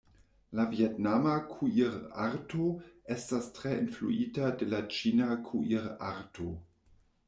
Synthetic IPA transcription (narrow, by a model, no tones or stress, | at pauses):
lavietnamakʰuiɾaɾtoestastɾeinflṵitade̞lat͡ʃinakʰuʔiɾa̰ɾto